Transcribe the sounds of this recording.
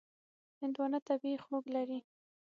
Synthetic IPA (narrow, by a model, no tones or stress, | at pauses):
hɪnd̪wɑnat̪abixoɡlaɾi